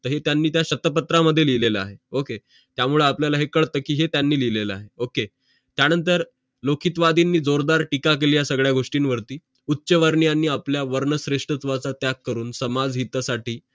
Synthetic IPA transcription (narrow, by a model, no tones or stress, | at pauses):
t̪əɦet̪janːiːt̪jaɕət̪əp̬ət̪ɾaməd̪ʱːjelileləa̰ɦeoke | t̪jamuɭeapljalaɦekəɭt̪əːkiːɦet̪janːiːlileləaɦeoke | t̪janənt̪əɾ | lokʰit̪ʋad̪inːiːd͡zoɾd̪aɾʈikak̬elijasəɡɭjaɡʱoʂʈiːnʋəɾt̪iː | utːɕəʋəɾɳjanːiːapljaʋəɾɳəsɾeʂʈɾət͡s̪ʋat͡sat̪jakːəɾuːnsəmad͡zɦit̪asaʈiː